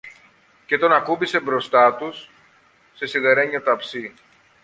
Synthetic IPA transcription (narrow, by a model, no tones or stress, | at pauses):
ce̞t̪o̞nɐkubise̞bɾo̞st̪ɐt̪usː | e̞siɣeɾe̞ɲɐt̪ɐpsi